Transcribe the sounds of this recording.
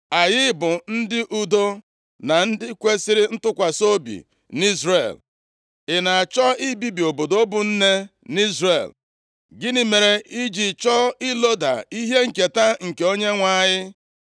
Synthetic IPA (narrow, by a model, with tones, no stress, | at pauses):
a˨jɪ˦bʊ˨n̩˦dɪ˦ʔu˨do˦ | na˨n̩˦dɪ˦kʷe˦sɪ˦ɾɪ˦n̩˦tʊ˦kʷa˨so˦bḭ˨ | ni˦zɾe˦˨l | ɪ˨na˨t͡ʃɔ˦i˦bi˦bi˨o˨bo˨do˨o˦bʊ˨n̩˦ne˦ni˦zre˨l | ɡɪ˦nɪ˨me˨ɾe˨i˦d͡ʒi˨t͡ʃɔ˦ɪ˦lo˦da̰˨i˦ɦe˦ŋ̩˨ke˨ta˦ŋ̩˨ke˨o˦ɲe˦ŋʷa˦˨ɲɪ˦